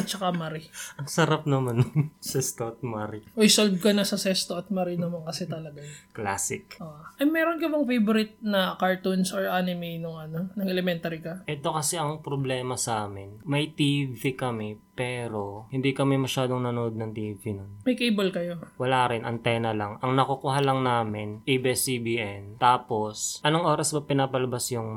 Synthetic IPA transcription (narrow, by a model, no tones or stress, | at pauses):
ɐt̪̚t͡ʃɐkamɐɾɪʔɐŋsɐɾap̚nɐmanŋsɛst̪oɐt̪̚maɾɪʔoɪsolvkɐnɐsɐsɛst̪oʔɐt̪̚mɐɾɪnɐmɐŋkɐsɛt̪ɐlɐɡakla̰ːsɪkʔoːʔɐjmɛːɾonkɐbɐŋfejboɾɪt̪̚nɐkaɹt̪unsoɹʔaːnɪmejnoŋʔɐno̞nɐŋɛlɛmɛnt̪ɐɾɪkɐʔɛt̪okɐsɛʔɐŋpɾoblɛːmɐsaːmɪnmɐjt̪ivikɐmɛpɛːɾo̞hɪnd̪iːkɐmɛmɐʃaːd̪oŋnɐnoʔod̪̚nɐŋt̪iːvinonmɐjkejbɐlkɐjo̞wɐlaːɾɪnʔɐŋt̪ɛːnɐlɐŋɐŋnɐkokuɦalɐŋnaːmɪnʔebɛsibiːʔɛnt̪aːpo̞sʔɐnoŋʔo̞ːɾɐsbɐpɪnaːpɐlɐbasjʊŋ